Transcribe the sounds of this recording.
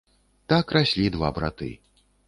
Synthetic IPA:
t̪akrasʲlʲid̪va̰bɾa̰t̪ɨ̰

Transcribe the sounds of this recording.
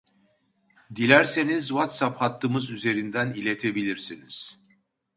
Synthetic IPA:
d̪ilʲæɾse̞nizvat̪saphat̪ʰːɯmɯzyze̞ɾind̪ænilʲe̞t̪ʰe̞bilʲiɾsiniz̥

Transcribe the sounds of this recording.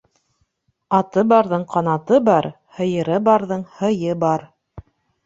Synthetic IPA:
ɑt̪ɤbɑɾðɤɴqɑnɑt̪ɤbɑɾ | hɤ̆jɤ̆ɾɤbɑɾðɤɴhɤ̆jɤbɑɾ

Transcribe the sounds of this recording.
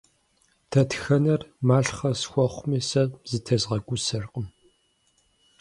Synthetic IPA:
tʰɐtʰxɐnɐrmaːɬχɐsxʷɔχʷʊmiːsɐzɨtʰɐzʁɐɡʷʊsɐrqʼəm

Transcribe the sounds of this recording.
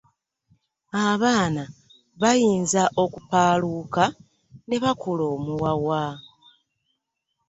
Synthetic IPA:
aβaːna | βajiːnzaʔo̞kupaːluːka | ne̞βakulo̞ːmuwawa

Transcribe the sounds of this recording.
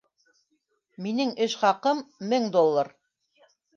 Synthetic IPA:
minɘŋɘʃχɑqɤmːɘŋd̪olˠːɑɾ

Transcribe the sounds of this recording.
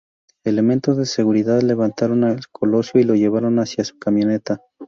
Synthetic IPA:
e̞le̞mẽ̞nt̪o̞zðe̞se̞ɣuɾiðaðle̞βant̪aɾo̞nalkʰo̞lo̞sjo̞ilo̞ʝe̞β̞aɾo̞nasjasu̥kamjo̞ne̞t̪a

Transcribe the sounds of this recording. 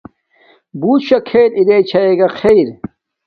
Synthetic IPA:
buːt̪ɕɐkʰeːɾiɾeːt͡ɕʰɐeːɡɐqʰejɾ

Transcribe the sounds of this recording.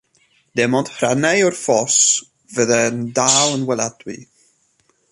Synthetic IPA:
d̥ɛmɔnd̥hranɛjɔrfɔs | vəðɛndaːlˠənwɛlˠad̥wḭ

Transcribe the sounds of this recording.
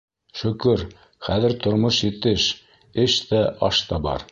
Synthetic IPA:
ʃɵ̆kɵɾ | χæðɘ̆ɾt̪ŏɾmoʃjit̪ɘʃ | ɘʃt̪æʔɑʃt̪ɑbɑ̰ɾ

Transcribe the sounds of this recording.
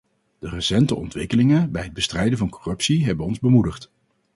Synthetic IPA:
d̥ərəsɛntəʔɔ̰ntʋɪkəlɪŋənbɛjɦəd̚bəstrɛjdəvɑnkorɵpsiɦɛbənɔnzbəmudəχt

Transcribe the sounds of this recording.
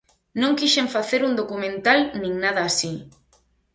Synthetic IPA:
nõŋkiʃeɱfaθeɾund̪okumẽnt̪alnĩŋnað̞aːsi

